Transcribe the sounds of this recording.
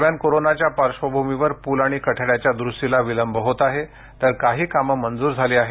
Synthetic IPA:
mjankoɾonat͡ɕjapaɾʂʋəbʱumiʋəɾpuːlaɽ̃ikəʈʰəɽjat͡ɕjad̪ɾusʈilaʋiləmbʱəɦot̪aɦe | t̪əɾkaɦiːkaməmənd͡zuːɾd͡zʱaliːaɦe

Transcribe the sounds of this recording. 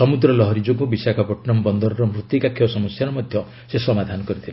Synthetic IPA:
sɔmud̪ɾɔlɔɦɔɾid͡ʒoɡɔbisakʰɔpɔʈnɔmbɔnd̪ɔɾɔɾɔmɾut̪ikakʰːjɔsɔmɔsjaɾɔmɔd̪ʱjɔ | sesɔmad̪ʱanɔkɔɾit̪ʰile

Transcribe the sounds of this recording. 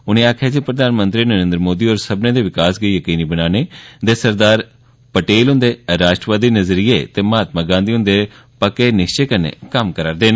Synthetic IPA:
ʊnẽːaːkʰaːd͡ʒipɾəd̪ʱaːnmə̃nt̪ɾiːnəɾẽːnd̪ɾmoːd̪iːoːɾsəbneːd̪eːʋɪkaːsɡəijəkiːniːbənaːneːd̪eːsəɾd̪aːɾ | pəʈeːlɦʊ̃nd̪eːɾaːʃʈɾəʋaːd̪iːnəzɾieːt̪eːmaːt̪maːɡãːnd̪iːʊ̃nd̪eː | pəkeːnɪʃt͡ʃeːkənḛːkəmkəɾaːɾd̪eːnː

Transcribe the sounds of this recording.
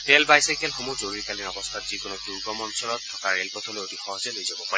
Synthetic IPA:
tɛlbajsajkɛlxomuzoɹiɹkalinɔbɔst̪ʰatz̥ikonɔkiɡɔmɔnsɔlɔtʰːɔkaɹelpɔtʰɔlojotixɔɦɔzɛlojzabɔpaɹɛ

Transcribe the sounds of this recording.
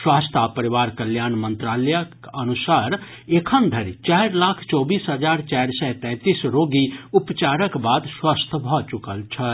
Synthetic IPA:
swaːst̪ʰapəɾiʋaɾkəljaːnmənt̪ɾaːlɛjəkənusaɾ | ekʰənd̪ʱəɾit͡ʃaɪɾlaːkʰt͡ʃɔbiːsɦəd͡ʒaːɾt͡ʃaɾsɛt̪ɛ̃ːt̪isɾoɡiupt͡ʃaɾəkbaːd̪swast̪ʰbʱɔt͡ʃukəlt͡ʃʰə

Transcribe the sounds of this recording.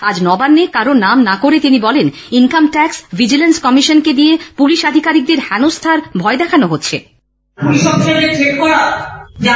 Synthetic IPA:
ad͡ʑnɔbanːekaɾonamnakoɾet̪inibɔleninkamʈɛksvid͡ʑilenskɔmiʃonked̪ijepuliʃad̪ʱikaɾik̚d̪eɾhɛnost̪ʰaɾbʱɔed̪ɛkʰanoɦotːɕʰḛ | puliʃɔbʃeleʈʰekkɔɾad͡ʑa

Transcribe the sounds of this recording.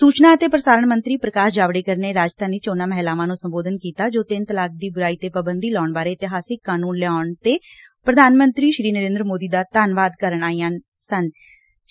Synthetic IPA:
suːt͡ʃnãːət̪eːpɾəsaːɾəɳmənt̪ɾiːpɾəkaːʃd͡ʒaːʋɽeːkəɾneːɾaːd͡ʒt̪aːniːt͡ʃoːnaːmɛɦlaːʋãːnũːsəmboːd̪ənkiːt̪aːd͡ʒoːt̪ɪnt̪əlaːk̚d̪iːbʊɾaːiːt̪eːpəbənd̪iːlɔːɳbaːɾeːɪt̪ɪɦaːsɪkːaːnuːnlɛaːʊɳt̪eː | pɾəd̪ʱaːnmənt̪ɾiːʃɾiːnəɾẽːnd̪ɾəmoːd̪iːd̪aːt̪aːnʋaːd̪kəɾəɳaːijãː | sən

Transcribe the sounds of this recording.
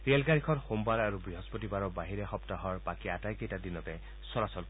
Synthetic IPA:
ɹelɡaɹikʰɔtxombaɹaɹubɹiɦɔspɔtibaɹɔbaɦiɹɛxɔptaɦɔɹpakiatajkejtadinɔtɛ | sɔɹasɔl

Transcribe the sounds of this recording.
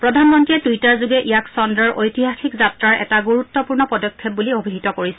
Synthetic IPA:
pɹɔdʱanmɔntiɛtuitaɹzuɡɛʔijaksɔndɹɔɹʔojtiɦaxikzatɹaɹʔɛ̰taɡuɹutːɔpuɹnɔpɔdɔkʰːɔp̚buliobʱidʱitɔkoɹisɛ

